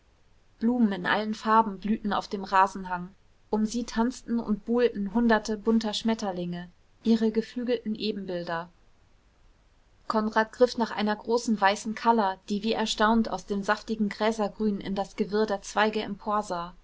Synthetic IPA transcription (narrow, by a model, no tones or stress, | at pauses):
b̥luːmən̩ɪnʔa̰lən̩faɐbm̩blyːtn̩a̰ʊfd̥eːmʁaːzn̩ɦaŋ | ʔʊmziːtʰant͡stn̩ʊ̰ntb̥uːltn̩ɦʊndɐtəbʊntɐʃmɛtɐlɪŋə | ʔiːʁəɡəflyːɡl̩tn̩ʔeːbm̩bɪldɐ | kʰɔnʁaːt̚ɡ̥ʁɪfnaːχʔa̰ɪnɐɡʁoːsn̩vaɪsn̩kʰalɐd̥iːviːʔɛɐʃtaʊnta̰ʊsd̥eːmzaftɪɡŋ̩ɡʁɛːzɐɡʁyːnɪ̰ndasɡ̥əvɪɐdeːɐt͡sv̥aɪɡəɛmpʰoːɐzaː